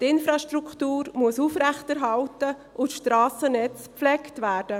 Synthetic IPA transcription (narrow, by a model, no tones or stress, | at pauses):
tɪnfɾɑʃtɾukʰtuːɾmuəsuːfɾɛχtɛɾɦɑltə | ʔʊtʃtɾaːsənɛt͡spflɛktvæːɾd̥ə